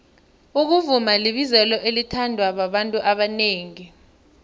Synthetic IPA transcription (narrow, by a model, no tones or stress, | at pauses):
uk̬uvumaliɓizɛlɔʔelitʰandʱwaɓaɓantʼuʔaɓaneːŋi